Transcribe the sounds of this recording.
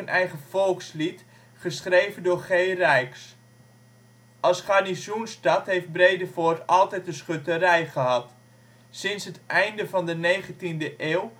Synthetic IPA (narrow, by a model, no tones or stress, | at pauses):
ənʔɛjχəfɔlˠkslit | χəsχrejvəndʊːrχejrɛjks | ʔɑsχarnisunstɑtɦejft̚brejdəfʊːtɑlˠtɛjtənsχøtərɛjχəɦɑt | sɪnsɦətɛjndəvɑndənejχəntindəʔeːw